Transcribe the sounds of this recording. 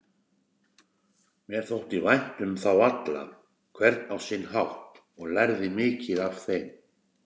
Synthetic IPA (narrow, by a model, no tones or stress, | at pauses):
mjɛɾ̥θowht̪ivajn̥t̪ʏmθawat̪la̰ | kʰvɛɾt̪nawsinɦawht̪ | ɔɣlɛɾðɪmɪːcɪðav̥θejm